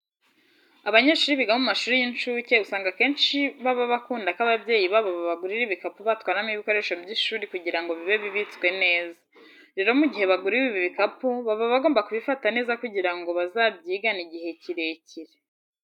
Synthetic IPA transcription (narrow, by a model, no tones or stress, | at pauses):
aβaɲeːʃuːɾiβiɡahomumaʃuːɾijint͡ʃuːce̞usaːŋɡake̞ːnʃiβaβaβakuːndakaβabje̞ːjiβaβoβaβaɡuɾiɾiβikapuβatwaːɾnamiβiko̞ɾe̞ʃobɟiʃuːɾikuɟiɾaŋɡo̞βiβe̞βiβit͡skwe̞ne̞ːza | ɾeɾo̞muɟihe̞βaɡuɾiwiβiβikapuβaβoβaɡo̞ːmbakuβifatane̞ːzakuɟiɾaŋɡo̞βazaːbɟiːɡaniɟihe̞ciɾe̞ciɾe